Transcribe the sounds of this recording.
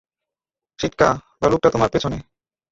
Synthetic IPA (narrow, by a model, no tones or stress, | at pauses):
ʃiʈkabaluk̚ʈat̪omaɾpet͡ɕʰone